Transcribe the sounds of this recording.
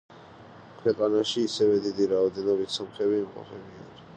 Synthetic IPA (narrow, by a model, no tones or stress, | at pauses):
kʰwɛqʼanaʃiːsɛvɛd̪id̪iɾaɔd̪ɛnɔbit̪sɔmχɛβiːmqʼɔ̰pʰɛbia